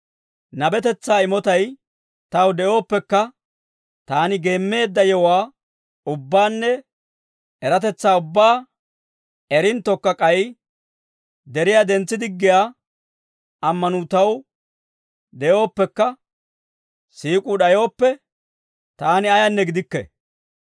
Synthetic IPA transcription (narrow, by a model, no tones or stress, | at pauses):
nɐbɛt̪ɛt͡sːaːɪmɔt̪ɐj | t̪ɐwd̪ɛjo̞ːpːɛkːɐ | t̪aːnɪɡe̞ːmːe̞ːd̪ːɐjɛwaː | ʊbːaːnːɛ | ɛɾɐt̪ɛt͡sːaːʊbːaː | ɛɾɪnt̪ːɔkːɐkʼɐj | d̪ɛɾɪjad̪ɛnt͡sːɪd̪ɪɡːɪjaː | ʔɐmːɐnut̪ɐw | d̪ɛjo̞ːpːɛkːɐ | siːkʼuɗɐjo̞ːpːɛ | t̪aːnɪɐjɐnːɛɡɪd̪ɪkːɛ̰